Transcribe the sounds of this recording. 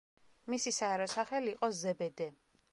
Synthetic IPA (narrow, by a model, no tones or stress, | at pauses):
misisaɛɾɔsaχɛliːqʼɔzɛbɛd̪ɛ